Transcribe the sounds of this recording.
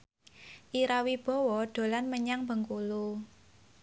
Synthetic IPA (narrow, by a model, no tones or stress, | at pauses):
ʔiɾawib̥ɔ̤wɔd̥o̤lanməɲaŋb̥ə̤ŋkulu